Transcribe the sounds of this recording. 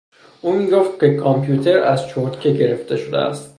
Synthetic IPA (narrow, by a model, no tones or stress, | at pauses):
ʔuːmiːɡoft̪̚kʰʲekʰɒmpʰjuːt̪ʰe̞ɾæz̥t͡ʃʰoɾt̪kʰeɟe̞ɾeft̪e̞ʃod̪ḛæ̰st̪